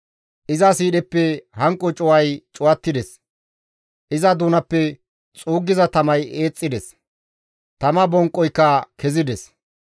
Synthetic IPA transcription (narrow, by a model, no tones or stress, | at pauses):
ʔɪzɐsiːɗɛpːɛhɐŋkʼːɔt͡ʃʼɔwɐjt͡ʃʼʊwɐt̪ːɪd̪ɛs | ʔɪzɐd̪uːnɐpːɛ | t͡sʼuːɡːɪzɐt̪ɐmɐje̞ːt͡sʼːɪd̪ɛs | t̪ɐmɐbɔŋkʼːɔjkːɐkʰɛzɪd̪ɛs